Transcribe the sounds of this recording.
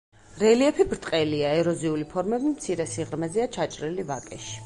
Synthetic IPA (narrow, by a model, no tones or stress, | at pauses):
ɾɛliɛpʰibɾt̪ʼqʼɛliaɛɾɔziulipʰɔɾmɛbimt̪sʰiɾɛsiʁɾmɛziat͡ʃʰat͡ʃʼɾilivakʼɛʃi̥